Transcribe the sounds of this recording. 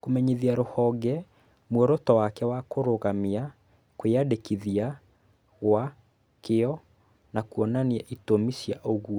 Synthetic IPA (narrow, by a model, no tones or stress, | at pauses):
komɛɲiðiaɾohɔɡɛ | mwɔɾɔtɔwakɛwakoɾoɣamia | koeadekiðia | ɣwa | keɔ | nakuɔnaniɛʔitomisiaʔoɣuɔ